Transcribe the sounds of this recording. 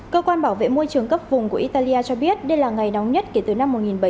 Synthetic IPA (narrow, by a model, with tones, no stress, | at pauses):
kəː˧kwaː˧nɓaː˧˩wvḛ˧˨mu˧əjt͡ɕɨ˨˩əŋkə˦˥p̚vʊ˨˩ŋ͡mku˧˩əʔi˧t̪aː˧li˧ʔaː˧t͡ɕɔ˧ɓi˦˥ət̚ɗə˧jlaː˨˩ŋa˨˩jna˨˦wŋ͡mɲə˦˥t̚ke˨˧˩t̪ɨ˨˩na˧mːo˨˩t̚ŋi˨˩nɓə˧˩